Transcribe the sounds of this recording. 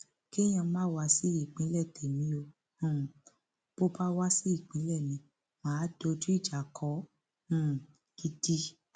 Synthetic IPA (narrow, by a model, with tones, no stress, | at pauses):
ke˦j̃ã˧˦mã˦˨wa˧˦si˦i˦˨k͡pĩ˨˦lɛ˦˨tɛ˨mĩ˨˦o˧ | hũ˦˨ | b̥o˦ba˦wa˦si˦i˦˨k͡pĩ˨˦lɛ˦˨nĩ˧˦ | mãː˨˦do˧d͡ʒu˦i˦˨d͡ʒa˨kʰɔ˨˦ | hũ˦˨ | ɡ̥i˧di˦